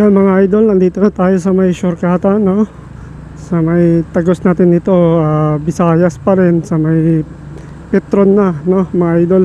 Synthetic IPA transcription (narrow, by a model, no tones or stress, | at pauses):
jamɐŋaʔajd̪o̞lnɐnd̪iːt̪onɐt̪aːjo̞sɐmɐjʃʊɾkaːt̪ɐno̞ | sɐmɐjt̪ɐɡo̞snaːt̪ɪnːɪt̪o̞abɪsaːjɐspɐɾɛnsɐmɐj | pɛt̪ɾonːɐno̞mɐŋaʔajd̪o̞l